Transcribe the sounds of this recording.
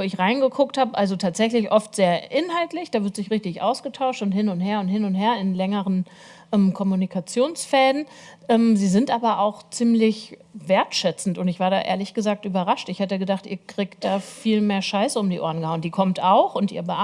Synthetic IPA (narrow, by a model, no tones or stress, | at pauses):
oɪçʁaɪnɡəkʰʊkthaːbəʔalzotʰaːtz̥ɛçlɪçʔɔftz̥eːɐʔɪnɦaltlɪçd̥aːvɪɐtz̥ɪçʁɪçtɪçʔa̰ʊsɡ̥ətʰaʊʃtʊnthɪnʊntheːɐʊnthɪnʊntɦeːɐɪnlɛŋəʁən | ʔɛmkʰɔmunikʰat͡sjoːnsfɛldn̩ | ʔɛmziːzɪntʔaːbɐʔaʊxt͡siːmlɪçveːɐtʃɛt͡sn̩tʊntɪçv̥aːɐɾa̰ːʔḛːɐlɪçɡ̥əzaːk̚tʔyːbɐʁaʃtɪçhatəɡədaχtʔiːɐkʁ̥iːkt̚d̥aːfiːlmeːɐʃaɪsəʊmdiːʔo̰ːɐn̩ɡəhaʊəndiːkʰɔmtaʊxʊntḭːɐbəʔ